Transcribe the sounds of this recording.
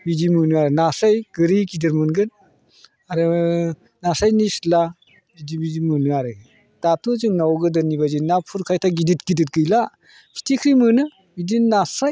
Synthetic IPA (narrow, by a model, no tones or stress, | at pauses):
bidimɯnɯaɾɯnasajɡɯɾikʰidɯɾmɯnɡɯn | aɾɯ | nasajnisla | bidibidimɯnɯaɾɯ | d̥atʰuzɯŋnawɡɯdɯnibazinapʰuɾkʰajtʰaɡidit̚ɡidɯt̚ɡɯjla | kʰi̥tʰikʰɾimɯnɯ | bidinnasaj